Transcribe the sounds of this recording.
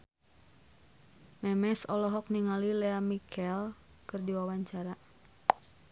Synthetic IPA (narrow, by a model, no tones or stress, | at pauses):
mɛmɛsɔlɔɦɔk̚niŋalilɛamikʰɛl | kɨrdiwawaɲt͡ʃaɾa